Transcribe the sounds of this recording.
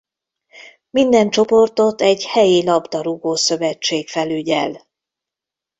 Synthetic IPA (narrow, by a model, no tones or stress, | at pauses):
mind̪ɛnt͡ʃo̞po̞rt̪o̞t̪ɛɟhɛjilɒbd̪ɒɾuɡoːsø̞vɛt͡ʃːeːkfɛlyɟɛ̰l